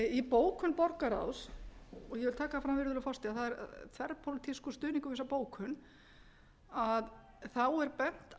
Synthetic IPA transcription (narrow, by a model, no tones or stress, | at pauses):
ipoːwkʰʏnpɔɾkaɾa̰wsɔjɛvɪlt̪ʰaːkafɾamvɪɾðʏlʏfɔst̪iaθaðɛɾ̰t̪ʰvɛɾpʰolɪt̪ʰiskust̪ʏːniŋkʏvɪs̬ːapoːwkʰhʏn | að | θawɛɾpɛn̥t̪